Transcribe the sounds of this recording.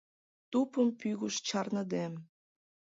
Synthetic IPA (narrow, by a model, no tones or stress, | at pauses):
t̪upəmpyɣuʃt͡ɕɑrnəd̪em